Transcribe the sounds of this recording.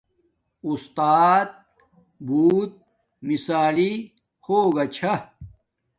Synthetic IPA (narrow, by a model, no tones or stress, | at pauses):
ust̪aːt̪̚ | buːt̪̚ | misaːli | hoːɡɐt͡ɕʰɐ